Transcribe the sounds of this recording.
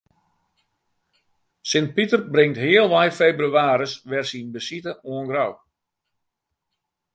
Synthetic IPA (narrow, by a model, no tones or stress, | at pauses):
sɪnt̚pitərbrɪŋtɦɪəlˠʋajfebryaːɾəsʋɛrsinbəsitəoənɡraw